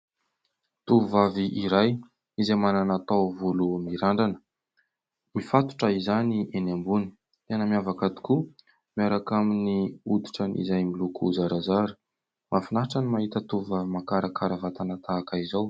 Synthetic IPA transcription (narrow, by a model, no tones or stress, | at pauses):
t̪uuvaviʔiɾaj | izeamananat̪awvulumiɾaɳɖ͡ʐanə̥ | mifat̪u̥ʈ͡ʂəizaniʔenambuni̥ | t̪enəmiavakad̪i̥ku | miaɾakaminiud̪i̥ʈ͡ʂənḭzajmilukuzaɾazaɾu̥ | mʔafinaɦʈ͡ʂanimaɦit̪ət̪uvuvavimakaɾakaɾəvat̪anat̪aːkəizaw